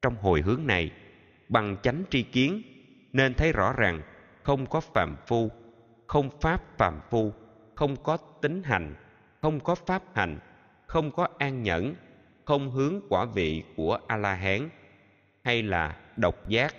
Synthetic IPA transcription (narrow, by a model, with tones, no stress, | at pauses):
t͡ɕɔ˧wŋ͡mɦo˨˩jɦɨ˨˦əŋna˨˩j | ɓa˨˩ŋt͡ɕa˨˦jŋ̟t͡ɕi˧ki˨˦ən | ne˧nt̪ʰə˨˦jzɔ̰˧˥zaː˨˩ŋ | xə˧wŋ͡mkɔ˨˦fa̰ː˨˩mfu˧ | xə˧wŋ͡mfaː˦˥p̚fa̰ː˨˩mfu˧ | xə˧wŋ͡mkɔ˨˦t̪ï˨˦ŋ̟ɦa˨˩jŋ̟ | xə˧wŋ͡mkɔ˨˦faː˦˥p̚ha˨˩jŋ̟ | xə˧wŋ͡mkɔ˨˦ʔaː˧ŋɲə̰˧˥n | xə˧wŋ͡mɦɨ˨˦əŋkwaː˧˩vḭ˧˨ku˧˩əʔaː˧laː˧ɦaː˨˦n | ha˧jla̰ː˨˩ɗə˨˩wk͡p̚zaː˦˥k̚